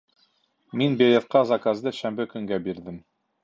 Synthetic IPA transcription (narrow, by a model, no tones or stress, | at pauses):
minbʲelʲet̪̚qɑzakazd̪ɤʃæmbɘkɵ̆ŋɡæbiɾd̪ɘm